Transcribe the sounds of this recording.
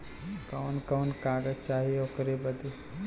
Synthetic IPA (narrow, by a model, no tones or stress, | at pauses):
kəwnkənkaːɡət͡ʃaːɦieoːkɾebəd̪i